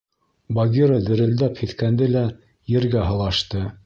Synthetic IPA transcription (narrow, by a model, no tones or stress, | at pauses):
bɑɡʲiɾəd̪ɘ̆ɾɘ̆ld̪æphit̪kænd̪ɘlæ | jɘ̆ɾɡæɦɤ̆lˠɑʃt̪ɤ